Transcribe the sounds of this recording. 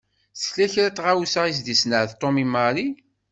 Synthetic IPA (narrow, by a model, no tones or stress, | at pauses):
slæçɾæt̪ˤʁawusais̬d̪isnəʕðt̪ˤːomimaɾi